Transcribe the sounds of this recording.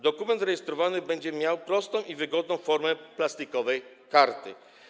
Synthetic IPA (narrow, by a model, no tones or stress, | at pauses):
d̪ɔkumɛnt̪zɾɛjɛst̪ɾɔvanɘbɛɲd͡ʑɛmʲjawpɾɔst̪ɔ̃w̃ʔivɘɡɔd̪nɔ̃w̃fɔɾmɛplast̪ikɔvɛj | kaɾt̪ɘ̰